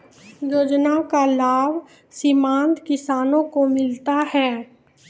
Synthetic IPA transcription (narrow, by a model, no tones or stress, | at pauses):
joːd͡ʒnakalaːb | sɪmãːnt̪kɪsaːnõkomɪlt̪aɦɛː